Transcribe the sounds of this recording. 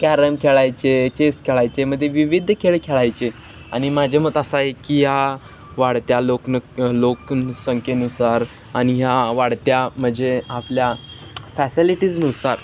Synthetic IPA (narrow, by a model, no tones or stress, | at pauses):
kæɾəmkʰeɭajt͡set͡ɕest̪̚kʰeɭajt͡seməd̪ʱːjeʋiʋid̪ʱːkʰeɭkʰeɭajt͡ɕe | a̰ñimad͡ʑʱamət̪əsaɦekiɦja | ʋaɽt̪jaloknəloksəŋkenusaɾ | añiɦjaʋaɽt̪jam̤əd͡ʑeaplja | fæsiliʈiːd͡znusaɾ